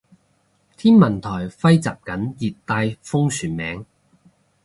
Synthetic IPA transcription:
t̪ʰiː˥nmɐ˨˩nt̪ʰɔː˨˩jfɐ˥jt͡sa̰ː˨p̚kɐ˨˥njiː˨t̚t̪aː˧jfʊ˥ŋsyː˨˩nmɛ̰ː˨˥ŋ

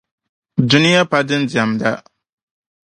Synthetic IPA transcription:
dʊ˦nɪ˦ja˦pa˦dɨ˦n˦di˨a˨mda˦

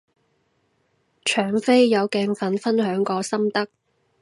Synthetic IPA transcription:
t͡ʃʰœː˨˩ŋfe˥jjɐ˨˧wkɛː˧ŋfɐ˨nfɐ˥nɦœː˨˥ŋkɔː˧sɐ˥mt̪ɐ˥k̚

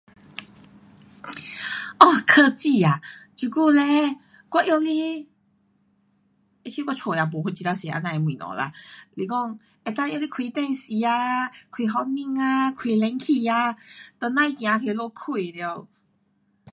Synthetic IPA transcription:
ɔ˧kʰə˥˧t͡ɕi˥˧a˨˩t͡ɕu˧˩ku˥˧le˧ | kwa˧˦ʔjo˧li˦ | e˧˦ɕu˦kwa˧t͡sʰo˨˩ja˨˧p̬ɔ˨˦hwu˧t͡ɕi˧t̪a˧si˨ʔa̰˧nã˧e˨mwĩ˨nɔ̰̃˨la̰˧li˨˧˩kɔ˥˧˩ŋ | e˨˧t̪ã˧˦ʔjo˧li˦˧kʰwi˧˩t̪ɛ˥˧˨nsi˨˧˦a˧kʰwi˨˩ɦɔ˧˦mĩ˧ŋa˧kʰwi˨˩lɛ˧˦ŋkʰi˧˩a˧t̪ə˨˩nã˧˨i˨˧kj̃ã˨˧˦kʰe˧˨˦lɔ˧kʰi˧˩˨li˧o˧˨

